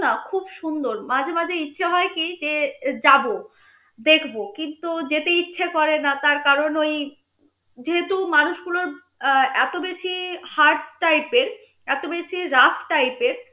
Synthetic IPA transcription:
nakʰubʃund̪oɾmad͡ʑʱemad͡ʑʱeitːɕʰʃʰaɦɔekid͡ʑed͡ʑabo | d̪ekʰbokint̪ud͡ʑet̪eitːɕʰʃʰakɔɾenat̪aɾkaɾonoj | d͡ʑeɦet̪umanuʃɡuloɾ | ɛt̪obeʃʰihaɾɖʈajpeɾ | ɛt̪obeʃʰiɾafʈajpeɾ

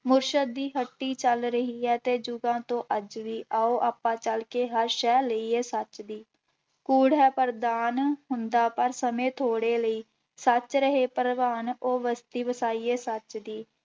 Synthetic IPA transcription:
mʊɾʃəd̪̚ːiːɦəʈːiːt͡ʃəlɾəɦiːɛːt̪eːd͡ʒʊɡãːt̪õːʔəd͡ʒʋiːʔaːoːʔaːpːãːt͡ʃəlkeːɦəɾʃɛːləiːeːsət͡ʃd̪iː | kuːɽɦɛːpəɾd̪aːnɦʊnd̪aːpəɾsəmẽːt̪ʰoːɽeːləiː | sət͡ʃɾəɦeːpəɾəʋaːnoːʋəst̪iːʋəsaːiːeːsət͡ʃd̪iː

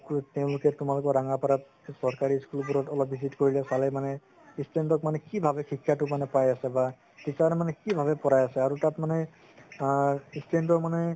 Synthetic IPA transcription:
kteʊ̃lukɛtʊmalʊkɔɹaŋapaɾat | sɔɹkaɹiskulbuɾɔtɔlɔpːisitkoɹilɛsalɛmanɛ | istentɔkmanɛkibʱabɛxikʰːjatʊmanɛpajasɛba | tisaɾɛmanɛkibʱabɛpɔɹajasɛaɹutatmanɛ | istentɔmanɛ

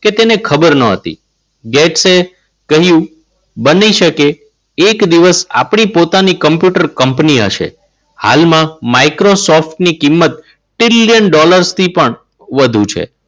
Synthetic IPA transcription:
ket̪enekʰəbəɾnəɦə̰t̪ḭ | ɡɛʈse | kəɦjũ | bəniʃəkeː | kd̪iʋəsa̰pɳ̃ipot̪anikəmpjuʈəɾkəmpniə̰ʃḛ | ha̰lmãmaikɾosɔfʈnikimːət̪̚ | ʈɾɪljənɖɔləɾst̪ʰipəɳ | ʋəd̪ʱũt͡ʃʰḛ

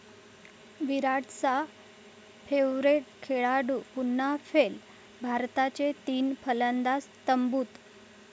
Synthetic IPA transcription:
ʋiɾaʈt͡sa | fʰeʋɾeʈkʰeɭaɽuːpunːafel | bʱaɾt̪at͡ɕet̪iːnpʰələnd̪ast̪əmbuːt̪

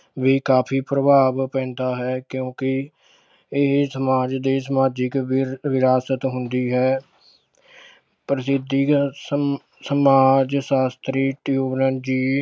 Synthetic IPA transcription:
ʋiːkaːpʰiːpɾəbʱaːbpɛ̃ːnd̪aːɦɛːkjõːkɪ | ɪɦsəmaːd͡ʒd̪eːsəmaːd͡ʒɪkʋɪɾaːsət̪ɦʊ̃nd̪iːɦɛː | pɾəsɪd̪ʱːi | səmaːd͡ʒsaːst̪ɾiːʈjuːʋnənd͡ʒiː

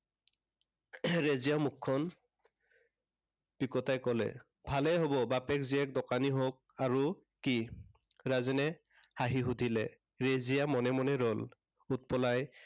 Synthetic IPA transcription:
ɹezijamukʰːɔn | pikɔtajkɔlɛ̰ | bʱalɛɦobɔbapɛkziɛk̚dɔkaniɦok̚aɹuː | i | ɹazɛnɛ | haɦiɦudʱilɛ | ɹezijamɔnɛmɔnɛɹɔl | ut̚pɔlaj

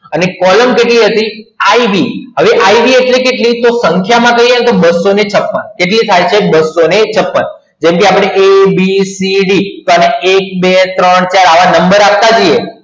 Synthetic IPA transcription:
ənekɔləmkeʈliɦət̪iaibiɦəʋeʔaibieʈlikeʈlit̪osəŋkʰjamãkəɦient̪obəsːonet͡ʃʰəpːənkeʈlit̪ʰajt͡ʃʰebəsːonet͡ʃʰəpːən | d͡ʒẽmkeapɽ̃eʔebisiɖit̪oaneːk̚bet̪ɾəɳt͡ʃaɾaʋanəmbəɾap̚t̪ad͡ʒije

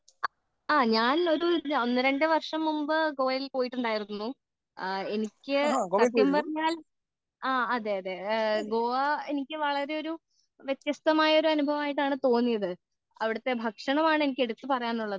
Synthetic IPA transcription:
aːɲaːno̞ɾuo̞nːɨɾeɳɖɨʋɐrʂɐmːumbɨɡo̞ːɐjilpo̞ːjiʈːuɳɖaːjiɾunːu | e̞nikʲːɨɐd̪ijɐmpɐrɐɲːaːl | aːɐðe̞ːɐðe̞ɡo̞ːʋɐe̞nikʲːɨʋɐɭɐɾe̞o̞ɾu | ʋjet̪jɐst̪ɐmaːjɐo̞ɾuɐnubʱɐʋɐmaːjiʈ̬ːaːɳɨt̪o̞ːnːijɐðɨ | ɐʋiɽɐt̪ːe̞bʱɐkʂɐɳɐmaːɳɨenikʲːe̞ɽut̪ːɨpɐrɐjaːnːuɭːɐðɨ

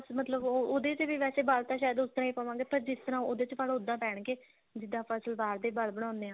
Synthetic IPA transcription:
smət̪ləbooːd̪eːt͡ʃʋiːʋɛːseːbalt̪ãːʃaːjəd̪ʊst̪əɾãːiːpəːʋãːɡeːpəɾd͡ʒɪst̪əɾãːoːd̪eːt͡ʃʰaːɽõːʊd̪ːãːpɛːɳkeː | d͡ʒɪd̪aːpʰəsəlbaːɾd̪eːbəlbəɽ̃ãːnd̪eːãː

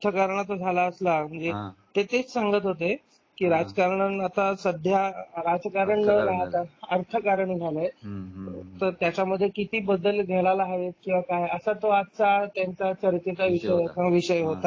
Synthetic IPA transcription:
t̪ʰəkaɾɳat̪od͡zʱalaəslam̤əɳd͡zet̪et̪et͡ssaŋɡət̪ɦot̪e | kiːɾad͡zəkaɾɳənat̪asəd̪ʱjaɾad͡zkaɾəɳnəɾaɦt̪aəɾt̪ʰəkaɾəɳɡʱaləj | t̪əɾt̪jat͡ɕaməd̪ʱːjekit̪iːbəd̪ːəlɡʱɛɭalaːɦʋet̪̚kĩw̃ʋakajəsat̪oat͡sat̪jãnt͡sat͡ɕəɾt̪et͡saʋiɕəjkãʋiɕəjɦot̪a

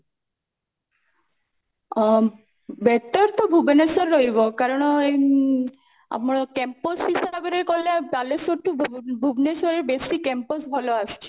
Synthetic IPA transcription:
bɛt̪ɔɾt̪ɔbʱubnesɔɾːojbokaɾɔne | a̰maɾkɛmposɦisaabeɾekolːet̪alesoʈːubʱubnesɔɾeɾbesikɛmposbʱaloast͡ʃʰi̥

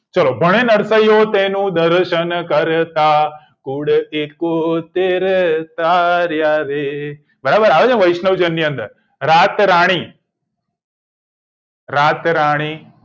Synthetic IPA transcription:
t͡ʃəlobʱəɽ̃enəɾsəjot̪enũd̪əɾʃənkəɾt̪a | kuɽekot̪eɾt̪aɾjaɾe | bəɾabəɾaʋed͡ʒãʋəjʃnəʋd͡ʒənːiə̃nd̪ə̰ɾ | ɾat̪ɾaɽ̃i | ɾat̪ɾaɽ̃i

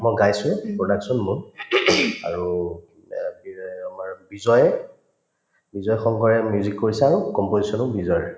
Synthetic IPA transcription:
mɔjɡajsʊ̃pɹodaksɔnmuɹ | a̰ɹu | biamaɹbizɔjɛ | bizɔjxɔŋɡɔɹɛmjuzikːoɹisɛaɹukɔmpozisɔnʊbizɔj

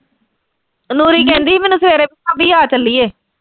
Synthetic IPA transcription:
nuːɾiːkɛ̃ːnd̪iːmɛːnũːsəʋeːɾeːpɪãːbiːaːt͡ʃəlːiːeː

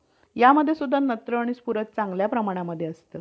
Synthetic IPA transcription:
jaməd̪ʱːjesud̪ʱːanət̪ɾəaɽ̃ispuɾət̪̚t͡saŋɡljapɾəmaɽ̃aməd̪ʱːjeəst̪əː

